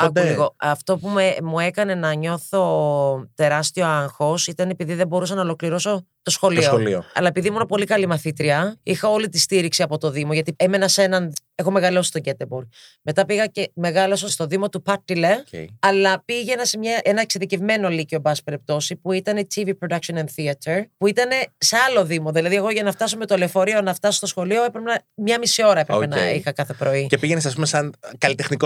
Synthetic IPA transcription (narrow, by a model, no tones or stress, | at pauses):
ɐkuliɣoɐft̪o̞pumemue̞kɐne̞nɐɲo̞θo̞t̪e̞ɾɐst̪io̞ɐŋxo̞sit̪ɐne̞piðiðebo̞ɾusɐnɐolo̞kliɾoso̞ | t̪o̞sxo̞lioolioɐ̰lɐe̞piðimunɐpo̞likɐlimɐθit̪ɾiɐixɐo̞lit̪ist̪iɾiksiɐpo̞t̪o̞ðimo̞ʝɐt̪ieme̞nɐse̞nɐne̞xo̞me̞ɣɐlo̞si̥st̪o̞ɟe̞t̪ebuɾɣme̞t̪ɐpiɣɐce̞me̞ɣɐlosost̪o̞ðimo̞t̪upɐt̪ːilḛɐlɐpiʝe̞nɐse̞mɲɐʔenɐekseðice̞vme̞no̞licio̞bɐspɾep̚t̪o̞sipuit̪ɐnt̪ʰivipɾo̞d̪ɐkʃo̞nɐnθiɐt̪ʰeɾpuit̪ɐne̞se̞ɐlo̞ðimo̞ðilɐðie̞ɣo̞ʝɐnɐft̪ɐsome̞t̪olefo̞ɾio̞nɐft̪ɐsot̪o̞sxo̞lio̞epɾepenɐmɲɐmisio̞ɾɐepɾenɐ̰ixɐkɐθe̞pɾo̞icepiʝenesɐs̬pumesɐnkɐlit̪exniko